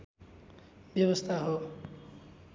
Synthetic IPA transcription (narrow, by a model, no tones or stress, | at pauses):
bjʌbʌst̪ʰaɦo